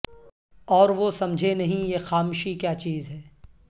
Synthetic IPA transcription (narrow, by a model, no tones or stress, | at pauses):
ɔːɾʋosɐmd͡ʒʱenɐɦĩjexaːmuʃikjaːt͡ʃiːzɦɛː